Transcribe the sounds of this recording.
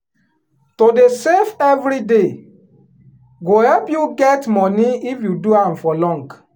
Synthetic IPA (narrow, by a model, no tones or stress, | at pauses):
todesefɛvɾide | ɡohɛlpjuɡɛtmɔniifjuduãmfɔlɔ̃ŋk